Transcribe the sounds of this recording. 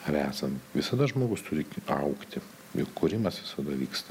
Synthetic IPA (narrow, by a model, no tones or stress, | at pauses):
ɐɾæːsɐnt̪ʋʲɪsɐd̪ɐʒmoːɡʊst̪ʊɾʲɪkʲɐ̰ʊkt̪ʲɪ | jʊkkʊɾʲɪmɐsʋʲɪsɐd̪ɐʋʲiːkst̪ɐ